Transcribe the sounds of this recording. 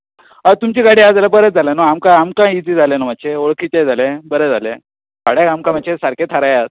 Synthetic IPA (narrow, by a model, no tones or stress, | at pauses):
at̪umt͡ɕiɡaɽiːad͡zalepəɾət̪̚d͡zʱalenoamkãamkãid͡zid͡zʱalenam̤at͡ɕeoɭkʰit͡ɕad͡zʱalebəɾɛd͡zʱalẽ | kaɽjaɡamkãm̤at͡ɕesaɾkʰet̪ʰaɾajat̪̚